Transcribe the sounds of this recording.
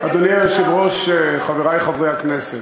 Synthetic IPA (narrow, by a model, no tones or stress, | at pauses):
ad̪oniaʃebʁoʃeχaveʁajχavʁehakneset